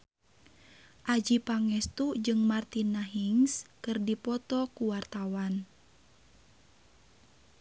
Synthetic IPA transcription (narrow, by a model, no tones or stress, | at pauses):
ʔad͡ʒipaŋɛst̪ud͡ʒɨŋmart̪inːaɦiŋskɨrdipɔt̪ɔkuwart̪awan